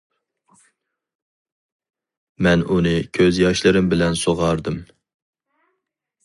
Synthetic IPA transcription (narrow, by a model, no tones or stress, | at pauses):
mɛnunɨkʲʰøzjɑʃlˠɨɾɨmbɪlɛnsoʁɑɾd̪ɨm